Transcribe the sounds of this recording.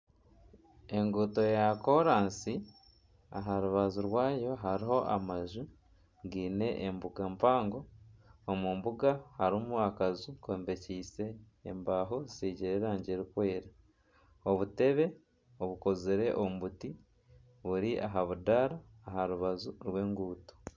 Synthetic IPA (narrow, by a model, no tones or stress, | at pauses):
e̞ŋɡuto̞jako̞ɾaːnsi | a̰ɦaɾuβazuɾwaːjo̞ɦaɾiɦo̞ʔamaʒu | ɡiːne̞ʔːmbuɡampaːŋɡo̞ː | muːmbuɡahaɾimuakazukweːmbeciːse̞̰ː | mbaɦo̞zisiːɟiɾeɾaːɲɟeɾikwe̞ːɾa | oβute̞βe̞ | oβuko̞ziɾe̞ʔomβuti | βuɾiʔaɦaβudaɾaː | haɾuβazuɾwe̞ːŋɡuːto̥